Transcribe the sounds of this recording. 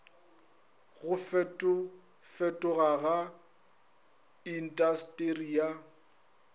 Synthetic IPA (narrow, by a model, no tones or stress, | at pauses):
ɣʊfɛtʼʊ | fɛtʼʊɣaɣa | in̩tʼastʼeria